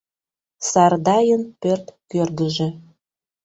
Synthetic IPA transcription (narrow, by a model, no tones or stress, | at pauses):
sɑrd̪ɑjənpørt̪kørd̪əʒĕ